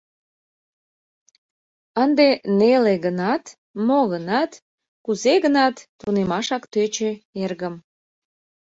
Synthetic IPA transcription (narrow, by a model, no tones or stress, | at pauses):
ənd̪eneleɣənɑt̪ | moɣənɑt̪ | kuzeɣənɑt̪ːunemɑʃɑkt̪øt͡ɕøerɣəm